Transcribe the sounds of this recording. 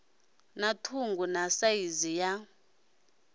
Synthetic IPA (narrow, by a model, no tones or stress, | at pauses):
natʰuŋɡunasaizija